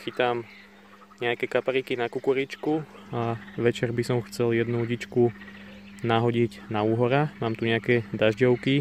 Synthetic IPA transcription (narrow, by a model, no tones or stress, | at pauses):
xit̪am | ɲɛakɛkapaɾikinakukuɾit͡ʃkuaʋɛt͡ʃɛɾbisɔmxt͡sɛljɛd̪nuɟit͡ʃku | naɦɔɟiɟnauːɦɔɾamaːmt̪uɲɛakɛd̪aʒɟɔʊki